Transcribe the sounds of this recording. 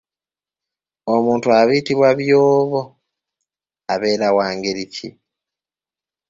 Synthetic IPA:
omuːntuaβiːtiβwaβjoːβo | aβeːɾawaːŋɡeɾicʰḭ

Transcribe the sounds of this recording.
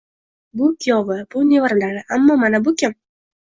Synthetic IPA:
bʊkʰʲijɒvɪb̥ʊnevaɾd̪aɾɪʔamːɒmanabʊkʰʲɪm

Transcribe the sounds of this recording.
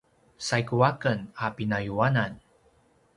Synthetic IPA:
sajkuwakənapinajuanan

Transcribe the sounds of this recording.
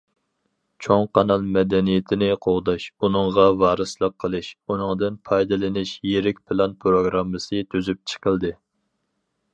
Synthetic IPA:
t͡ʃʰoŋqʰɑnɑlˠmɛd̪ɛnijet̪ʰɪnɪqʰoʁd̪ɑʃunɨŋʁɑvɑːɾɨslˠəqʰːəlˠɨʃunɨŋd̪ɨnpʰɑjd̪ɨlɪnɪʃjeɾɪkʲpʰɨlˠɑnpʰɾoɡɾɑmːɨsɨt̪ʰyzyp̚t͡ʃʰə̥qəlˠd̪ɨ

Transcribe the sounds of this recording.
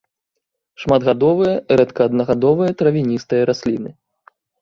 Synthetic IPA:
ʂmad̪ɣad̪ɔvɨjɐɾɛt̪kɐːd̪nɐɣad̪ɔvɨjɐt̪ɾɐvʲinʲist̪ɨjɐɾasʲlʲinɨ

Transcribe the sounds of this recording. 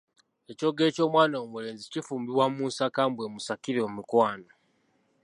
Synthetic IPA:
e̞co̞ːɡe̞ːco̞ːmwaːnoːmule̞ːnzicifuːmbiβwamuːnsakaːmbwe̞ːmusakiɾo̞ːmikwaːno

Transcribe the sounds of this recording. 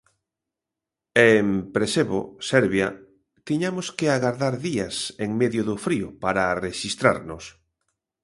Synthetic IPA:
empɾeseβo̰sɛɾβja | t̪iɲamʊskeaɣaɾðaɾðiaseŋmeðjʊðʊfɾiʊpaɾareʃist̪ɾa̰ɾnʊs

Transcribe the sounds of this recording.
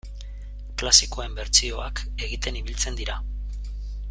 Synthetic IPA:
klasiko̞embe̞ɾt͡sio̞ake̞ɣit̪e̞niβ̞ilt͡se̞nd̪iɾa

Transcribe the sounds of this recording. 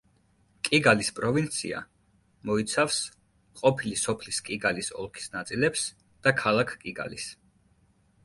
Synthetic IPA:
kʼiɡalispʼɾɔvint̪sʰḭa̰ | mɔit̪sʰafs | qʼɔpʰilisɔpʰliskʼiɡalisɔ̰lˠkʰi̥snat̪sʼilɛps | d̪̥akʰalˠakʰkʼiɡa̰lis

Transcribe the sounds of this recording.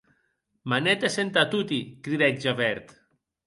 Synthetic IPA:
manet̪esent̪at̪ut̪ikɾiðɛkʒaβɛɾt̪

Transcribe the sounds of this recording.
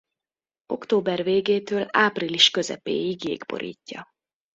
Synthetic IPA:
o̞kt̪oːbɛrveːɡeːt̪øːlaːpriliʃkø̞zɛ̰pḛːiɡjḛːɡbo̞̰ɾʔḭːcːɒ

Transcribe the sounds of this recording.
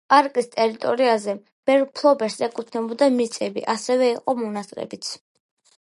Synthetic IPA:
pʼaɾkʼist̪ʼɛɾit̪ʼɔɾiazɛ | b̥ɛɾpʰlˠɔbɛɾsɛkʼut̪ʰnɛbɔd̪amit̪sʼɛbḭʔasɛvɛiqʼɔmɔnasʼqʼɛ̰bit̪sʰ

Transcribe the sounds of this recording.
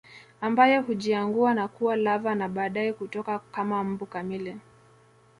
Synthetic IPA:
ambajɛhuʄiaŋɡuanakuwalavanaɓaːɗaɛhutɔkakamam̩bukamilɛ

